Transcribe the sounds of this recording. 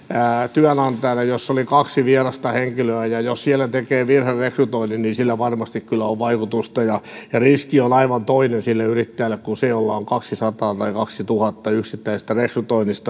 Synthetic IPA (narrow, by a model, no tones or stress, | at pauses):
æt̪yænɑnt̪ɑinɑjosːolikɑksiʋierɑst̪ɑheŋkiløæjɑjossiælːˑæt̪ekeːʋirherrekryt̪oininninsilːæʋɑrmɑst̪ikkylːæoʋʋɑikut̪ust̪ɑjɑjɑriskionɑiʋɑnt̪oinensilːeyrit̪ːæjælːekkunseolːɑoŋkɑksisɑt̪ɑːt̪ɑikɑksit̪uhɑt̪ːɑyksit̪ːæise̥s̆t̪ærekryt̪oinist̪ɑ